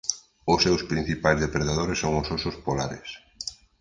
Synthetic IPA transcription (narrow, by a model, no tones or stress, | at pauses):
ʊsːewspɾin̟θipajzðepɾeðaðoɾesːoŋʊsosʊspolaɾḛs